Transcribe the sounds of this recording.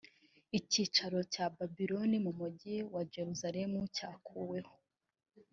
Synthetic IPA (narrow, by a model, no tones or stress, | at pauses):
iciːt͡ʃaɾo̞caːbabiɾonimumuɟiwad͡ʒe̞ɾuzaɾe̞mucaːkʰuwe̞ho̥